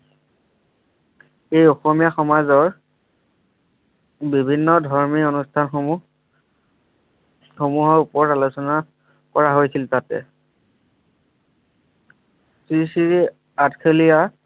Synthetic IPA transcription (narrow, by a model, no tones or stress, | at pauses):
ejɔxɔmijaxɔmazɔɹ | bibʱinːɔdʱɔɹmionustʰanx | xomuɦɔɹupɔɔtalusɔna | kɔɹaɦojsiltatɛ̰ | sɹisiɹi | atkʰelija